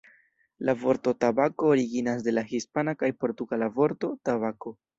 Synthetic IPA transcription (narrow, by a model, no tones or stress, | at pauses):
lavo̞ɾto̞tabakoːɾiɡinasde̞lahispanakajpo̞ɾtuɡalavo̞ɾto̞taβako̞